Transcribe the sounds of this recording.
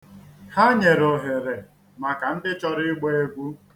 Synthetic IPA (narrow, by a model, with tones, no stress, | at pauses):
ha˦ɲe˨ɾo˨ɦe˨ɾe˨ | ma˨ka˨n̩˦dɪ˦t͡ʃɔ˦ɾɪ˦ɡ͡be˦e˦ɡʷu˦